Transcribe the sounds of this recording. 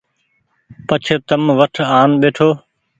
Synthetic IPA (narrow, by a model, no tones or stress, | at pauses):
pət͡ʃʰet̪əmʋəʈʰaːnɓeːʈʰoː